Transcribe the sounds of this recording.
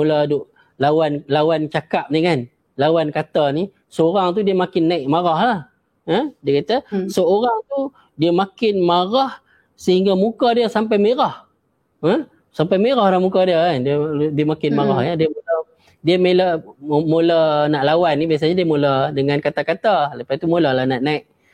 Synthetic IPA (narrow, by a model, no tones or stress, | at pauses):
muladʊʔ | lawanlawant͡ʃakap̚nikan | lawankat̪ani | səoɾaŋt̪̬udiəmakɪnːaɪʔmaɾahlah | ədiəkat̪asəoɾaŋt̪u | diəmakɪnmaɾah | səhiŋɡamukadiəsampajmeɾah | ə | sampajmeɾahlahmukadiəandədiəmakɪnmaɾahadiəmola | diəmeləmolanaʔlawanːibias̬aɲadiəmolədəŋankat̪akat̪aləpajt̪umolahlahnaʔnaiʔ